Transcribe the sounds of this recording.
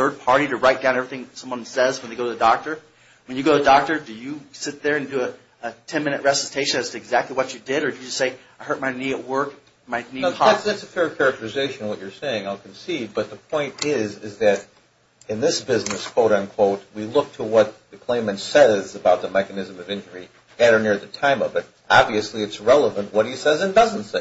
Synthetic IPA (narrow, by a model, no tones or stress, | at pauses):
θɜ˞d̚pʰɑɹɾiɾɨɹaɪt̚d̥aʊ̃nɛvɹiθɪ̃ŋsʌ̃mwʌ̃nsɛzwə̃nðeɪɡoʊɾɨðɨdɔk̚tə˞ | wɨ̃njɨɡoʊɾɨdɑk̚tə˞dɨjɨsɪt̪̚ðə˞ɨ̃ndɨɨ | ətʰɛ̃nmɪ̃ñɨʔ̚ɹɛsɨstʰeɪʃɨ̃nɨstʰɨɨɡzæk̚tˡliwʌt͡ʃɨdɪɾə˞dɨjɨd͡ʒʌstseɪ | aɪɦɜ˞t̚maɪniɨʔ̚wɜ˞k | maɪnihætsðætsəfɛɹkʰɛɹɨk̚tʰə˞ɨzeɪʃɨ̃nwʌt͡ʃə˞seɪɪ̃ŋaɪlˠkʰɨ̃n̩sid̚bʌt̪̚ðəpʰɔ̃ɪ̃ntɪzɪzðɨɾ | ɨ̃nðɪsb̥ɪznɨskʰw̥oʊɾɨ̃nkʰw̥oʊt̚wilʊk̚tʰəwʌt̪̚ðɨkʰl̥ẽɪ̃mɨ̃ntsɛzəbaʊt̪̚ðəmɛkɨnɨzɨ̃mʌvɪ̃nd͡ʒə˞i | ɛɾə˞nɪɹðɨtʰãɪ̃mʌvɨɾ | ʔɑbviɨsliɨtsɹɛlˠəvə̃nʔwʌɾ̚hisɛzɨ̃ndʌz̃n̩tseɪ